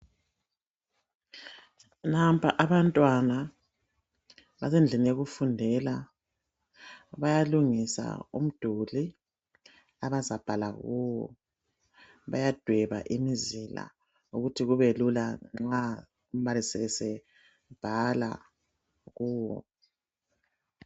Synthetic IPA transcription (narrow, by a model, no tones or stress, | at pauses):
nampʰaʔaβantʼwana | βazend͡ɮʱinijeɣufundʱɛla | βajaluŋisa̰ṵm̩d̥ʱuli | aβazab̥ʱala̰ɣuwɔ̰ | βajad̥ʱwɛβa̰ʔimizila̰ | uɣutʰiɣuβelulaŋ͡ǁa | um̩βalisɛɛsɛ | b̥ʱala̰ | ɣuːwɔ̰